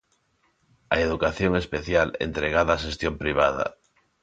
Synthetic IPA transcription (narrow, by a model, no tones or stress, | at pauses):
ɐeðukaθjoŋespeθjalḛnt̪ɾeɣ̞aðaːʃest̪jompɾiβ̞aðɐ̰